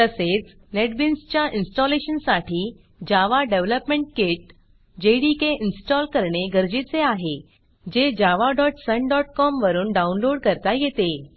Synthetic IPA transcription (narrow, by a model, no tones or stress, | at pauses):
t̪əset͡s | neʈbinst͡ɕjaʔinsʈɔleɕənsaʈʰiː | d͡ʑaʋaɖeʋləpmẽɳʈ̚keʈ̚ | d͡ʑeɽikeinsʈɔlkəɾɳeɡəɾd͡ʑit͡seaɦe | d͡ʑed͡ʑaʋaɖɔʈsəɳɖɔʈkɔmʋəɾuːnɖaunloɽkəɾt̪ajet̪e